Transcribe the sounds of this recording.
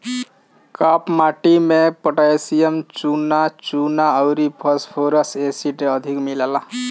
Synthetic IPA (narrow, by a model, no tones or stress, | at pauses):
kapmaʈimepəʈajsijəmt͡ʃunat͡ʃunaəʊɾipʰəspʰoɾəsesiʈeəd̪ʱikmilala